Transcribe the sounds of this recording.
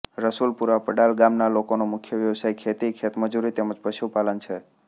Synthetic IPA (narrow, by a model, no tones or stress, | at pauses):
ɾəsulpuɾʋapəɽalɡamnalokonomʊkʰjəʋjəʋsajkʰet̪ikʰet̪məd͡ʒuɾit̪eməd͡ʒpəʃupalənt͡ʃʰe